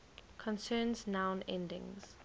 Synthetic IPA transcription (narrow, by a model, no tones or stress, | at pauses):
kʰɔ̃nsɜːnznãʊ̃nɛ̰̃ndɪ̰̃ŋz̥